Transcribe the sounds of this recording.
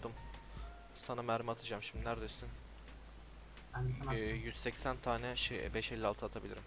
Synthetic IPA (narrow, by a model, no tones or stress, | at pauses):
d̪um | sanamæɾimat̪ʰɯd͡ʒaːmʃiminæɾd̪esin | jyz̥sɛcsænt̪ʰaːnɛʃbɛʃelʲːɛalˠt̪ʰɯat̪ʰabilʲḭɾim